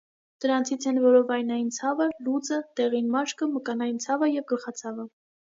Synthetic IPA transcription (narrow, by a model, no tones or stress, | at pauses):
d̪̥əɾɑnt͡sʰit͡sʰɛnvɔɾɔvɑjnɑjint͡sʰɑvəlut͡sət̪ɛʁinmɑʃkəməkɑnɑjint͡sʰɑvəjɛvɡəlχɑt͡sʰɑvə